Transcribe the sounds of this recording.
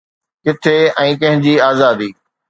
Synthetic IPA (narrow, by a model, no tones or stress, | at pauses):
kɪt̪ʰeɛ̃ːkɐ̃ɦɪ̃ɲd͡ʑiːaːzaːd̪iː